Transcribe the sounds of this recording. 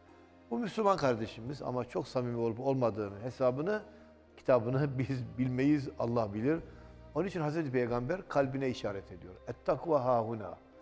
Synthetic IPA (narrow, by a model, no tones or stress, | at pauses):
bumyslʲumankʰaɾd̪e̞ʃimiza̰mat͡ʃʰo̞ksamimolˠbo̞lˠmad̪ɯːnɯɦesaːbɯnɯ | cʰi̥t̪ʰabɯnɯbizbilʲmejiza̰lˠːahbilʲiɾ | o̞nunit͡ʃʰinɦazɾɛt̪ʰipʰejɡambæɾkʰalʲbinɛiʃaːɾɛt̪ʰe̞d̪ijo̞ɾɛt̪ʰːakʰuvaɦaːɦuna̰ː